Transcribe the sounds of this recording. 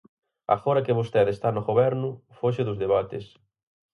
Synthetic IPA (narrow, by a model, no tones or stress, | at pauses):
a̰foɾɐkɪβost̪ɛðest̪anʊɣoβɛɾnʊfoʃɪðʊzðeβat̪ɪ̰s